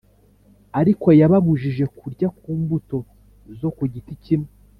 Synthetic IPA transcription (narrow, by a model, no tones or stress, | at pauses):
aɾiko̞jaβaβuʒiʒe̞kuɾɟakuːmbuto̞ | zo̞kuɟiticimŋe